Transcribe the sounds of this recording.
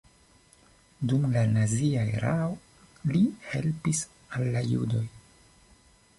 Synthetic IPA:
dumlanaziaḛɾao | lihe̞̰lpis | alːajṵdo̞j

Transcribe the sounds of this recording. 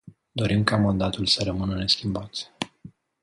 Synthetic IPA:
d̪o̞ɾimkamand̪at̪ulsəɾəmɨnəne̞skʲimbat̪sʲ

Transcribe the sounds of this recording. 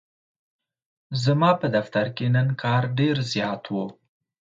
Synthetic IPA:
zamɑpəd̪aft̪aɾkenənkʰɑɾɖeɾzjɑt̪wu

